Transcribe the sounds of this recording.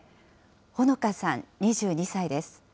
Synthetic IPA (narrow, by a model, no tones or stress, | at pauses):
ho̞no̞kasãɲɲʲiʑɨːɲ̟isaid̪e̞sɨ̥